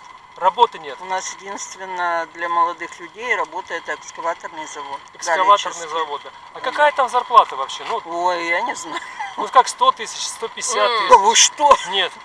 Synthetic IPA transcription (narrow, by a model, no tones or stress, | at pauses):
rɐbo̞t̪ɨnʲet̪ʊnasjɪdʲinst̪vʲɪnːəd̪lʲɐməlˠɐd̪ɨxlʲʉdʲejɾɐbo̞t̪əjɛt̪ɛkskɐvat̪ərnɨjəzɐvot̪ɛkskɐvat̪ərnɨjəzɐvo̞t̪ɨ | ɐkɐkajət̪amzɐrplˠat̪əvɐpɕːe̞nuojanʲɪznajʊʊot̪kakst̪o̞t̪ɨsʲɪt͡ɕst̪o̞pʲɪsʲat̪ːuʂt̪onʲe̞t̪